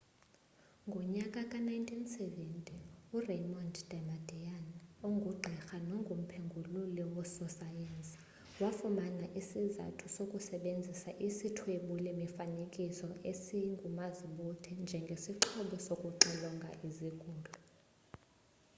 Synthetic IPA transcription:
ŋɡʱɔɲakʼakʼanajintʼinsɛvɛntʼiurejmɔntʰʼd̥ɛmadɛjanoŋɡʱuɡ͡ǃʱɛxanɔŋɡʱum̩pʰeŋɡʱululiwɔsɔsajensʼi̥ | wafumanaʔisiza̰tʰusokʼusɛɓend͡zʱisaʔisitʰweɓulɛmifanekʼisɔʔesiŋɡʱumaziɓutʰɛnd͡ʒʱɛŋɡʱesiǁʰɔɓɔsokʼuǁɛlɔŋɡʱa̰ʔizikʼuːlu

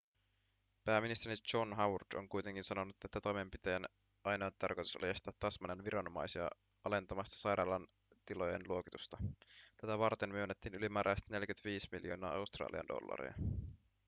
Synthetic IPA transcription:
pæːmːinist̪eɾit͡ʃonɦɑwrdo̰ŋkujt̪e̞ŋk̟insɑno̞nut̪et̪ːæt̪o̞jme̞mpit̪ejæn | ʔɑjnoot̪t̪ːɑrko̞jt̪u̥so̰lɑjest̪æːt̪ːɑsmɑnenʋiɾɑno̞mɑjsiɑ̰ | ɑle̞nt̪ɑmɑst̪ɑ̥sɑjɾɑːlɑn | t̪ilo̞je̞nluo̞kit̪ust̪ɑt̪æt̪æʋɑrt̪emyønːet̪ːiːnylimæːɾʔæjst̪ne̞ljkyt̪ʋiːsmiljo̞ːnɑ̰ːɑwst̪rɑ̰ːliɑ̰ndo̞̰lːɑ̰ɾḭɑ̰

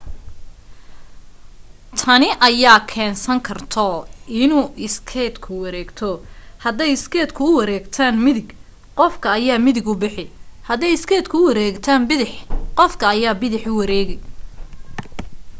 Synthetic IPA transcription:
t̪ʰɐnɪʔɐjaːkʰɛːnsɐŋkʰɐrt̪ʰɔɪnuːʔɪskʰɛːd̪kʰʊwɑɾɛːɡt̪ʰɔhɐd̪ɛjɪskʰɛːd̪kʰʊʊwɐɾɛːɡt̪ʰaːnmɪðɪɡ | qɔfkʰɐːjaːmɪðɪɡʊbɪħɪhɐd̪ɛjɪskʰɛːd̪kʰʊʊwɐɾɛːɡt̪ʰaːnbɪðɪħqɔfkʰɐːjaːbɪðɪħʊwɑɾɛːɣɛj

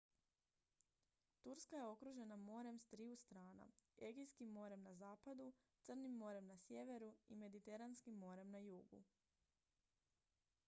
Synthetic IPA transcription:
t̪uɾskajeo̞kɾuʒe̞namo̞ɾe̞mst̪ɾiust̪ɾaːna̰e̞ɡijskimːo̞ɾe̞mnazaːpad̪u | t̪sər̩nimːo̞ɾe̞mnasje̞ʋe̞ɾuime̞d̪it̪eɾanskimːo̞ɾe̞mnajuːɡṵ

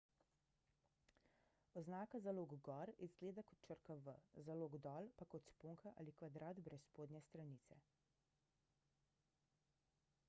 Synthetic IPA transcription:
ɔznaːkazaloːɡɡɔɾizɡleːd̪akɔ̥t̪̚t͡ʃəɾkaʋə̰zaloːɡd̪ɔːlpakɔt̪spoːŋkʰaʔa̰likʋad̪ɾaːt̪bɾɛspoːd̪nʲjɛst̪ɾaniːt̪sɛ̰

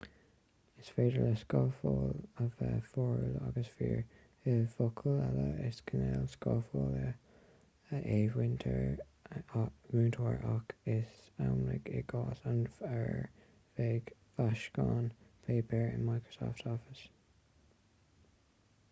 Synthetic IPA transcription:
ɪsfeːdələskɑːfoːləvɛfɔːɹlaɡəsfiːɹ | ɪfokʰəlɛləɪskʰənɛːlskɑfoːlə | əʔeːwɪntʰəɹ | wuːntʰoːɹakʰɪsawmlɪɡɪɡɑːsanfəɹ | veːɡfaʃkɑːnpʰeːpʰəɹɪ̰nmajkɹə̥sɔːftʰɔfɪs

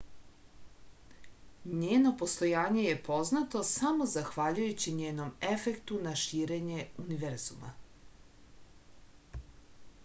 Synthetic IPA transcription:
ɲeːno̞po̞st̪o̞jaːɲe̞je̞po̞znat̪o̞samo̞zaxʋaʎujut͡ɕiɲeːno̞mefe̞kt̪unaʃiːɾe̞ɲe̞uniʋeɾz̥ṵma̰

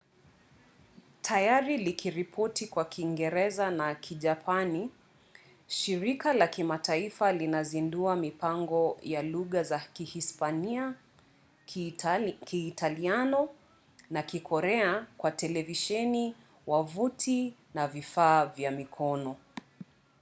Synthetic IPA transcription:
tʰajaɾilikʰiɾipʰɔtikwakʰiŋɡɛɾɛzanakʰiʄapʰani | ʃiɾikalakimataifalinazinduamipaŋɡɔjaluɣazakihispania | kiːtʰalianɔ | nakikʰɔɾɛakwatɛlɛviʃɛni | wavutʰinavifaːvjamikʰɔnɔ

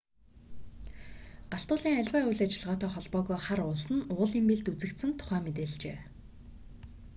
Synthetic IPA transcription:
ɢaɬt̪ʊːɮiːŋæɮʲwæːujɮat͡ɕɪ̆ɮʁɔːt̪ʰœːχɔɮpɔːɣɔːχaɾʊɮsə̆nʊːɮiːmpeɮt̪ut͡sɘ̆kt̪sɘ̆nt̪ʰʊ̥χæːmet̪̬eːɮt͡ɕeː

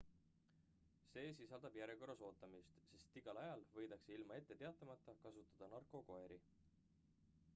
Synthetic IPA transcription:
se̞ːsisɑld̪̥ɑb̥jæɾeko̞rːɑso̞ːt̪ːˑɑmist̪se̞st̪iɡ̥ɑlɑjɑlvɤ̞jd̪̥ɑkseilmɑe̞t̪ːe̞t̪e̞ɑt̪ˑːɑmɑt̪ˑːɑkɑsut̪ːˑɑd̪̥ɑnɑrkˑo̞ko̞e̞ɾi

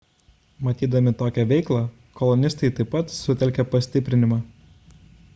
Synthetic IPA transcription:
mɐt̪ʲiːd̪ɐmʲɪt̪oːkʲɛʋʲɛɪklˠɑ | kɔlˠɔnʲɪst̪ɐɪt̪ɐɪpːɐt̪sʊt̪ʲɛlʲkʲɛpɐsʲt̪ʲɪpʲɾʲɪnʲɪmɑː

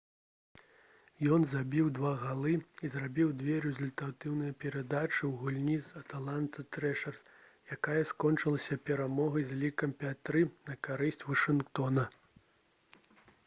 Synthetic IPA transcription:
jɔnzabʲiwd̪vaɣalˠɨizrabʲiwd̪vʲɛɾɛzulʲt̪at̪ɨwnɨjɐpʲɛɾad̪at͡ʂɨwɣulʲnʲizɐt̪alˠant̪ɐt̪ɾɛʂɐrt̪ | jakajɐskɔnt͡ʂɨlˠɐsʲɐpʲɛɾamɔɣɐjzʲlʲikɐmpʲat̪ɾɨnɐkaɾɨsʲt͡sʲvɐʂɨnkt̪ɔnɐ

